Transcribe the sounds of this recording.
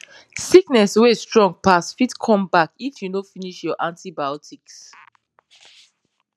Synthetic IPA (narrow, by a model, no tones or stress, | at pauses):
siknɛswestɹɔ̃ŋɡ̚pasfitkʰɔ̃mbakifjunofiniʃjɔʔãntibajɔtʰiks